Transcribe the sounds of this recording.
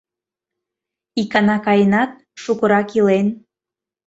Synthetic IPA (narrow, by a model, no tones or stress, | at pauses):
ikɑnɑkɑjənɑt̪̚ | ʃukə̆ɾɑkilen